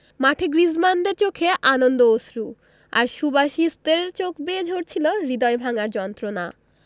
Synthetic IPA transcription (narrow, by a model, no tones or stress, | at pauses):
maʈʰeɡɾizmand̪eɾt͡ɕokʰeʔanond̪oosɾu | a̰ɾʃubaʃist̪eɾt͡ɕokbed͡ʑʱoɾt͡ɕʰiloɾid̪ɔjbʱaŋaɾd͡ʑɔnt̪ɾona̰